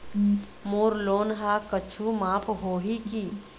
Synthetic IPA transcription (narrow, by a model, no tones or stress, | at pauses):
moːɾloːnɦakət͡ʃʰumãːpɦoːɦiki